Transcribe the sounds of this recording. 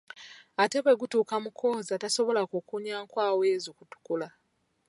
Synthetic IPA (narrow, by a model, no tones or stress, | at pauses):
ate̞βwe̞ɡutuːkamukʰo̞ːzataso̞βo̞lakukuɲaːŋkwaːweːzokutu̥kula